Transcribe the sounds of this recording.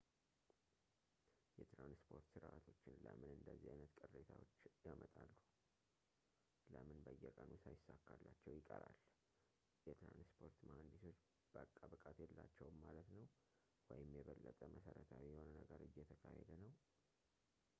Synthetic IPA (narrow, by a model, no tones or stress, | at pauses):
jɛt̪ɾanspʰo̞ɾt̪sɨɾʔat̪ʰo̞t͡ʃːɪnlə̰mɨnɨnd̪əzːihajnət̪kʼɨrːet̪ʰawot͡ʃːjamət̪ʼalːu | ləmɨnbəjːɛkʼənusajɪsːakːalːat͡ʃːɛwjɪkʼəɾal | jɛt̪ɾanspʰo̞ɾt̪mand̪iso̞t͡ʃː | b̥əkʼːabɨkʼat̪jɛlːat͡ʃːɛwmːalət̪nəw | wɔjɪmjɛβəlːət̪ʼəməsəɾət̪ʰajɛho̞nənəɡəɾɨjːɛt̪ʰəkʰahed̪ənəw